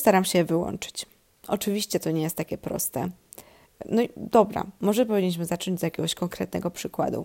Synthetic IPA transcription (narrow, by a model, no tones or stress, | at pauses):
st̪aɾamɕɛvɘwɔ̰nt͡ʂɘ̥t͡ɕ | ʔɔt͡ʂɘvʲiɕt͡ɕɛt̪ɔɲɛjɛst̪ːakʲɛpɾɔ̰st̪ɛ | nɔid̪ɔbɾa̰mɔʐɛp̬ɔvʲiɲːiɕ̬mɘzat͡ʂɔɲd͡ʑzjakʲeɛɡɔɕkɔŋkɾɛt̪nɛ̰ɡɔpʂɘkwa̰d̪ṵ